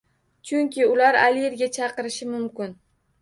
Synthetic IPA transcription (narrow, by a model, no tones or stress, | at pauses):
t͡ʃʰʊŋʲkʲʰɪʊlaɾa̰lijeɾɡʲat͡ʃʰɑqɨɾɪʃɪmʊmkʲʊn